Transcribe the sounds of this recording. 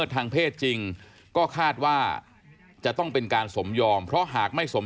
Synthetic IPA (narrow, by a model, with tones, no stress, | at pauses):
t̪ʰːaː˧ŋpʰeː˥˩t̪̚t͡ɕi˧ŋ | kɔː˥˩kʰaː˥˩t̪̚waː˥˩ | t͡ɕa˨˩t̪ɔ˥˩ŋpe˧nkaː˧nso˩˦mjɔː˧mpʰɾɔ˦˥ɦaː˨˩k̚ma˥˩jso˩˦